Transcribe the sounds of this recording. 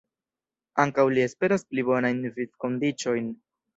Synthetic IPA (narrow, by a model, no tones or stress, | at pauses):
aŋkawlie̞spe̞ɾasplibo̞najnvit͡sko̞ndit͡ʃo̞jn